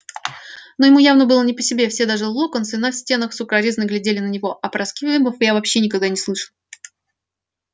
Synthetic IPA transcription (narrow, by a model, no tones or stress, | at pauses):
no̞jɪmujavnəbɨlˠənʲɪpəsʲɪbʲe̞fsʲe̞d̪aʐɨlˠokənsɨnafsʲtʲe̞nəxsʊkɾɐɾʲiznɨɡlʲɪdʲelʲɪnənʲɪvo̞ʔɐpɾɐskʲivʲɛmbəfjavɐpɕːenʲɪkaɡ̚d̪anʲɪslˠɨʂəlˠ